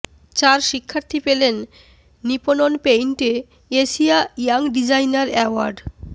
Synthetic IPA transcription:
t͡ɕaɾʃikʰːaɾt̪ʰipelenː | ipononpejnʈe | eʃiaijaŋɖid͡ʑajnaɾɛoaɾɖ

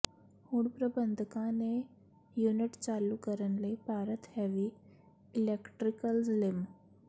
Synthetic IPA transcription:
huːɳpɾəbənd̪ʱəkãne | juniʈt͡salukəɾənlepaɾət̪heʋi | ilekʈɾikəlzlim

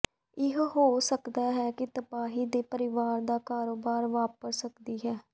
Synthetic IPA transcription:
ɪɦɦoːsəkd̪aːɦɛːkɪt̪əpaːɦiːd̪eːpəɾɪʋaːɾd̪aːkaːɾoːbaːɾʋaːpəsəkd̪iːɦɛː

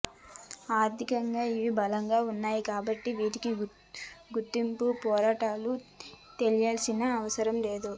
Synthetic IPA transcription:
aːɾd̪ʱikɐŋɡaːiʋibɐlɐŋɡaːunːaːjikaːbɐʈːiʋiːʈiki | ɡut̪ːimpupɔːɾaːʈaːlu | t̪e̞lijaːlsinɐːʋɐsɐɾɐmle̞ːd̪u

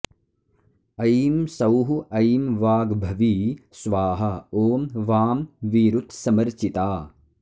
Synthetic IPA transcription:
ɐjmsɐwɦuʔɐjmʋaːɡbʱɐʋiːsʋaːɦɐoːmʋaːmʋiːɾut̪sɐmɐɾt͡ʃit̪aː

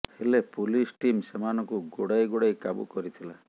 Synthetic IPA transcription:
helepulisʈimsemanɔkuɡoɽajɡoɽajkabṵkɔɾit̪ʰila

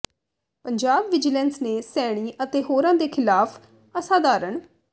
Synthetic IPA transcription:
pəɲd͡ʒaːbʋɪd͡ʒlɛnsneːsɛːɽ̃iːʔət̪eːɦoːɾãːd̪eːkʰɪlaːpʰ | əsãːd̪aːɾəɳ

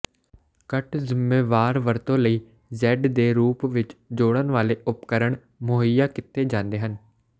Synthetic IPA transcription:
kəʈʰzɪmːeːʋaːɾʋəɾt̪õːləiː | zɛːɖd̪eːɾuːpʋɪt͡ʃd͡ʒoːɽ̃ənʋaːleːʔʊpkəɾəɳ | moɦəjaːkɪt̪ːeːd͡ʒãːnd̪eːɦən

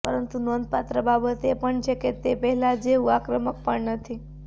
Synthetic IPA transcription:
pəɾənt̪unond̪̚pat̪ɾəbabət̪epəɳd͡ʑeket̪ːepəɦilad͡zeuʋakɾəmək̚pəɳnət̪ʰi

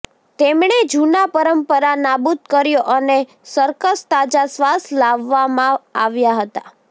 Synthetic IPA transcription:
t̪emɳed͡ʒunapəɾəmpəɾanabud̪̚kəɾjoʔəne | səɾkəst̪ad͡ʒasʋaslaʋːamãaʋjaɦət̪a

